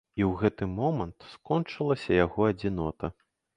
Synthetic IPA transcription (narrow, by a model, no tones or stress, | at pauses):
iwɣɛt̪ɨmɔmɐnt̪skɔnt͡ʂɨlˠɐsʲɐjaɣɔɐd͡zʲinɔt̪ɐ